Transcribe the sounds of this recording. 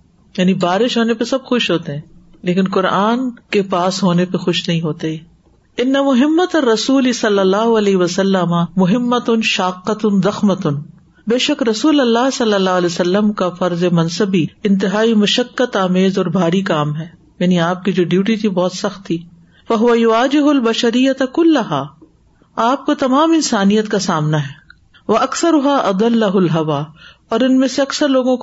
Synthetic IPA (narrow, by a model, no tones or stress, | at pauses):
jaːnibaːɾɪʃɦoːnepesɐbxʊʃɦoːt̪eɦɛ̃ː | leːkɪnkʊɾaːnkepaːsɦoːnepexʊʃnɐɦĩɦoːt̪eɦɛː | ɪnːɐmʊɦɪmːɐt̪ɐrːɐsuːlisɐlːɐlːaːɦʊɐlɛːɦiʋɐsɐlːəmamʊɦɪmːət̪ʊnʃaːqːɐt̪ʊnzɐxmət̪ʊn | beːʃɐkɾɐsuːlɐlːaːɦsɐlːəlːaːɐleːsɐlːəmkafɐɾzemɐ̃nsəbiɪ̃nt̪ɪɦaːimɐʃəkːət̪aːmeːzɔːɾbʱaːɾikaːmɦɛː | jaːniaːp̚kid͡ʒoːɖjuːʈit̪ʰibɔːt̪sɐxt̪ʰːiː | fɐɦʊʋɐjʊʋaːd͡ʒɪɦʊlbɐʃɐɾɪjːɐt̪kʊlːɐɦaː | aːp̚kot̪ɐmaːmɪnsaːnijət̪kasaːmnaɦɛː | ʋɐʔɐkθɐɾʊɦaːʔɐd̪ɐlːɐɦʊlɦɐʋaː | ɔːɾɪnmẽseɐksəɾloːɡõk